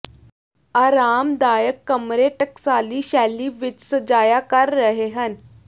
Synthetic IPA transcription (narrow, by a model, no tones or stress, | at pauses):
aɾamd̪ajəkːəmɾeʈəksaliːɕælːiːʋitsəd͡ʑajakaɾːəɦeɦən